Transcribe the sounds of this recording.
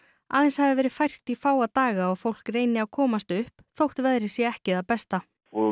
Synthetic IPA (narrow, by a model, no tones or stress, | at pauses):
a̰ːðɛnshaðɪvɛːɾɪð̥fajr̥t̪ifaːwat̪aːɣaɔɣfowl̥kreːjnɪawkʰɔːmast̪ʏhpθowht̪vɛðɾɪsjɛɛhcɪðapɛst̪a